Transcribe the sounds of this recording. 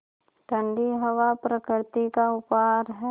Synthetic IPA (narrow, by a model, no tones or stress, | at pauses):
ʈ̪ə̃ɳɖiɦɐʋapɾəkɪɾt̪ikaʊpaːɾɦɛ